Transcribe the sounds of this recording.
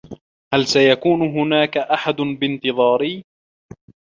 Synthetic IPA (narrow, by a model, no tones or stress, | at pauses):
halsajakuːnʊɦʊnaːkaʔaħad̪ʊnbɪnt̪ɨðˤɑːɾɪː